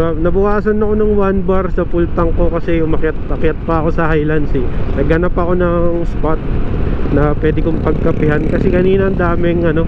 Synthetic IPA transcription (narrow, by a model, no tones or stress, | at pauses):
anɐbʊkaːsɐnɐko̞nɐŋwanbɐɾsɐpult̪ɐŋko̞kɐsɛʊmɐkjɐt̪̚pɐkjat̪̚pɐɐko̞sɐhajlansɪnɐɡɐnapːɐko̞nɐŋspat̪̚nɐpwɛːd̪ɪkompɐɡ̚kɐpɪɦankɐsɛkɐniːnɐːnd̪aːmɪŋʔɐno̞